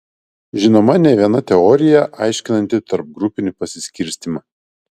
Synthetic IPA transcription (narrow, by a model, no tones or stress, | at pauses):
ʒʲɪnoːmɐnʲɛʋʲiɛnɐt̪ʲɛɔːɾʲɪjɛʔɑˑɪʃʲkʲɪnɐnʲt̪ʲɪt̪ɐɾp̚ɡɾʊpʲɪnʲɪpɐsʲɪsʲkʲɪɾʲsʲt̪ʲimɐ